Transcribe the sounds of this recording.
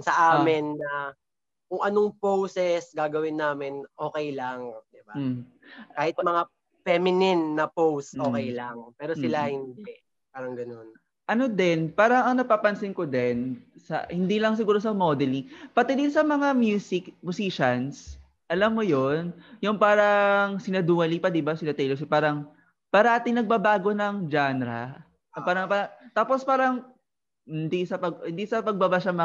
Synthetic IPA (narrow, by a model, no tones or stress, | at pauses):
sɐʔaːmɪnːɐ | kʊŋɐnoŋpowsɛsɡaːɡɐwɪnːaːmɪnʔo̞ːkɛjlaŋd̪ɪba | kaːhɪt̪̚mɐŋa | fɛmɪnɪnːɐpowst̪ʔoːkɛjlɐŋpɛːɾosɪlahɪnd̪ɛ | paːɾɐŋɡɐno̞n | ʔɐnod̪ɛnpaːɾɐŋɐŋnɐɡ̚paːpɐnsɪnkod̪ɛnsɐ̰hɪnd̪ilɐŋs̬ɪɡuːɾos̬ɐmod̪ɛliŋpɐt̪ɛd̪ɪnsɐmɐŋamjuːsɪkmʊsiʃɐns | ʔɐlamːojonjʊŋpaːɾɐŋsɪnɐd̪uːɐlipɐd̪ɪbasɪnɐt̪ɛjlos̬ɪpaːɾɐŋ | paːɾɐʔaːt̪ɪŋnɐɡ̚babaːɡo̞nɐŋd͡ʒanɾɐ̰ | paːɾɐŋpaɐt̪aːpospaːɾɐŋ | hɪnd̪isɐpɐɡhɪnd̪isɐpɐɡ̚bɐbaʃamɐ